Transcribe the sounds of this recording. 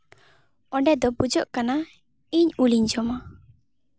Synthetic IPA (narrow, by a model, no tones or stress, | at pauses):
ɔɖɛd̪ɔbud͡ʒɔʔkana | iɲuliɲd͡ʒɔma